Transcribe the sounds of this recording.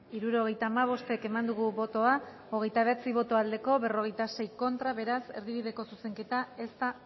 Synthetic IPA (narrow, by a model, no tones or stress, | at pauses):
iɾuɾo̞ɣ̞e̞jt̪aːmaβ̞o̞st̪e̞ke̞mand̪uɣ̞uβo̞t̪o̞a | o̞ɣ̞e̞jt̪aβet͡siβ̞o̞t̪o̞ald̪e̞ko̞βe̞ro̞ɣ̞e̞jt̪ase̞jko̞nt̪ɾaβe̞ɾaseɾðiβ̞iðe̞ko̞suse̞ŋke̞t̪ae̞st̪a